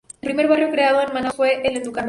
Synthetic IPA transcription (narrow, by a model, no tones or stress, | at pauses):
elpɾime̞ɾβarjokɾeað̞oenmanafweʔeled̪ukam